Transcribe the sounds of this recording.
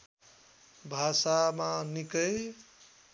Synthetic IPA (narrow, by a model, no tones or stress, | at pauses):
bʱasamanikəj